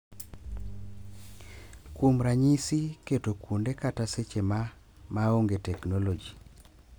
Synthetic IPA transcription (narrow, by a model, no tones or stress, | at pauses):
kumɾaɲisiketokundekataset͡ʃema | maoŋɡetɛknɔlɔd͡ʒi